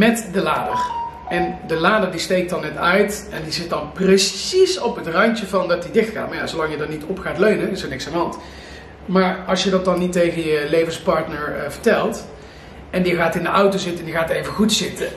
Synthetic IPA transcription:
mɛtdəlaːdər | ɛndəlaːdəɹdistejk̚dɑnːɛtœɥtɛndizɪt̚dɑnprəsisɔpɦətrɑntəvɑndɑtdidɪxtxa̰ːtmaɹja̰zowlɑŋjədɑnnitɔpχaːtløɥnənɪsəɹnɪksandəɦɑnt | maːɹɑlˠsjədɑt̚dɑnːitejɣənjəlejvənspɑɹtnəɹvəɹtɛlˠt | ɛndiɣaːtɪndəʔʌwtowzɪtəɛndjiɣaːtejvəχutsɪtə

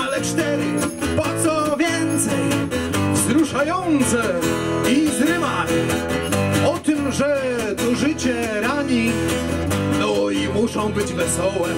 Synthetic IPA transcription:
alɛt͡ʂt̪ɛɾɨ | pɔt̪sɔvʲjɛnt̪sɛj | vzɾuʂajɔnt̪sɛ | izɾɪvamʲi | ɔt̪ɘmʐɛ | t̪ɔʐɘt͡ɕɛ | ɾaɲi | nɔimuʂɔ̃w̃bɘd͡ʑvɛsɔwɛ

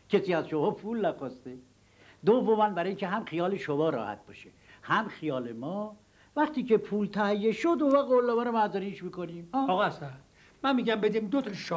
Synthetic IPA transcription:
kʰesiːæzʃomɒːpʰulnæxɒst̪e | d̪ovːomænbæɾɒːiŋcʰeɦæmxijɒːleʃobɒːɾɒ̰ːhæ̰t̪̚b̥ɒːʃe | hæmxijɒːlemɒː | væχt̪iːcepʰuːlt̪ʰæhjːeʃod̪ovæɡolːɒːvæɾomæzæɾiʃmiːkoniːmːɒɣæsæ | mænmiːɡæmbed̪imd̪ot̪ʰɒʃ

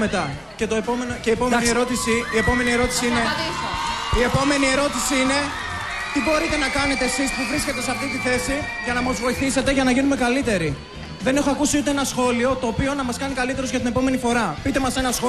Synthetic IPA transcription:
met̪ɐ | ce̞t̪oepo̞menoceiːpomeaiieɾo̞t̪isiie̞po̞me̞nie̞ɾo̞t̪i̥siine | ie̞po̞me̞nie̞ɾo̞t̪isiine̞ | t̪ibo̞ɾit̪e̞nɐkɐne̞t̪e̞ːsispuvɾisket̪e̞seɐft̪it̪iθe̞si | ʝɐnɐmɐzvo̞iθise̞t̪e̞ʝɐnɐʝinume̞kɐlit̪e̞ɾi | ðe̞ne̞xo̞ɐkusiut̪eenɐsxo̞lio̞t̪o̞ːpio̞nɐmɐskɐnikɐlit̪e̞ɾo̞zʝɐt̪ine̞po̞me̞nifo̞ɾɐpit̪e̞mɐse̞nɐsxo

